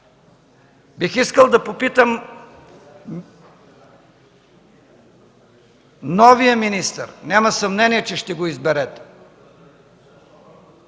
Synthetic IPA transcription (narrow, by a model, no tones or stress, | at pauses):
bixiskəlˠd̪ɐpopit̪əm | nɔvijəminist̪ə̰ɾnʲamɐsɐmnɛniɛt͡ʃɛʃt̪ɛɡoizbɛɾɛt̪